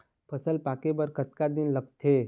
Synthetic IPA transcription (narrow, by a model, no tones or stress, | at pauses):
pʰəsəlpaːkebəɾkət̪kad̪inləɡ̚t̪ʰe